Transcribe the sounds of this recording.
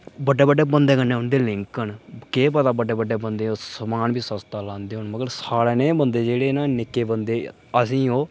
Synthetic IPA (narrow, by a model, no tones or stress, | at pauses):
bəɖːeːbəɖeːbənd̪eːkəneːʊnd̪eːlɪŋkːəɳkeːpət̪aːbəɖːeːbəɖːeːbənd̪eːoːsəmaːnbiːsəst̪aːlãːnd̪eːɦʊɳməɡəɾsaːɽeːnẽːbənd̪eːd͡ʒeːɽeːnaːnɪkːeːbənd̪eː | əsĩːoː